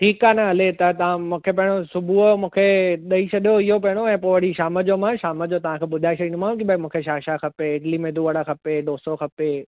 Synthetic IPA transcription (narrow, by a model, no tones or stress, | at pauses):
ʈʰiːkaːnɐɦɐlet̪ɐt̪ɐʋ̤ãmũːkʰepɐ̃ɦɪɽ̃osʊbʱumũːkʰeɗɐit͡ɕʰɐɗjoɪɦop̬ɐɦɪ̃ɽ̃oɛ̃ːpoːʋəɽiʃaːməd͡ʑomãʃaːməd͡ʑot̪ɐʋ̤ãkʰeːɓʊd̪ʱaːesʰɐɗĩːnʊ̃mãːũkibaimũːkʰeʃaːʃakɐpeɪʈlimẽd̪uːəɽakɐpeɗoːsoxʰɐpe